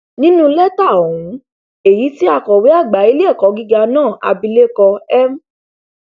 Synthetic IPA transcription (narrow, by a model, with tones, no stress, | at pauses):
nĩ˦nũ˦lɛ˦ta˦˨o˨wũ˨˦ | e˨ji˨˦ti˦a˧˨kɔ˨wi˨˦a˦˨ɡ͡ba˨˦i˦lɛ˦˨kɔ˨˧ɡi˦ɡa˧nãː˦˨a̰˧bi˧le˦kɔ˧ɛ˦m˦